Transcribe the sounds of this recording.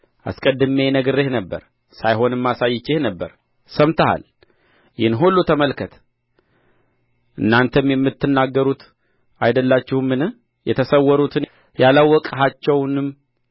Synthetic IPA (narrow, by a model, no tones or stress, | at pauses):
ʔa̰skʼəd̪ːɨmenəɡɨɾːehnəbːə̰ɾ | sajɦo̞nɨmːasajːɪt͡ʃːehnəbːəɾ | səmt̪ʰəha̰l | jɪhnɦulːut̪ʰəməlkʰət̪ʰ | ʔɨnːant̪ʰəmjɛmːɨt̪ːɨnːaɡːəɾut̪ | ajd̪əlːat͡ʃːɪhmːɨnɨ | jɛt̪ʰəsəwːɔɾut̪ʰɨn | jalawːɔkʼɦat͡ʃːɛwnɨm